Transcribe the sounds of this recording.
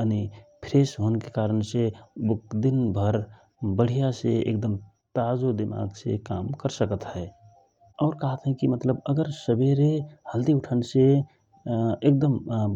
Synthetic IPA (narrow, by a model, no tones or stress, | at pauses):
ənipʰɾesɦonkekaːɾənsebʊk̚d̪inbʱəɾ | bəɽ̤ijaseḛk̚d̪əm | t̪azod̪ɪma̰ɡsḛkaːmkəɾsəkət̪ɦɛ | ɔːɾkəɦət̪ɦɛ̃kimət̪ləbəɡəɾsəbeɾehəld̪iʊʈʰənse | ek̚d̪əm